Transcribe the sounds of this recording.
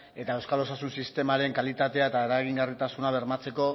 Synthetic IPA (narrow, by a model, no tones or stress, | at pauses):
e̞t̪aewskalo̞sasunsist̪e̞maɾe̞ŋkalit̪at̪e̞aet̪aeɾaɣ̞iŋɡarit̪asunaβ̞e̞ɾmat͡se̞ko̞